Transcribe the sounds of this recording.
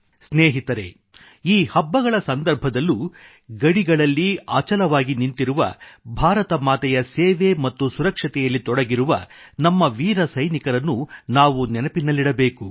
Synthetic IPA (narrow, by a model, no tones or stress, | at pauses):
sneːɦit̪ɐɾe̞̰ | iːhɐbːɐɡɐɭɐsɐnd̪ɐɾbʱɐd̪ɐlːu | ɡɐɽiɡɐɭɐlːiaːt͡ʃɐlɐʋaːɡinint̪iɾuʋɐ̰bʱaːɾɐt̪ɐmaːt̪ɛjɐseːʋemɐt̪ːusuɾɐkʂɐt̪ɛjɐlːit̪ɔɽɐɡiɾuʋɐ̰nɐmːɐʋiːɾɐsɐjnikɐɾɐnːunaːʋunɛnɐpinːɐliɽɐbeːku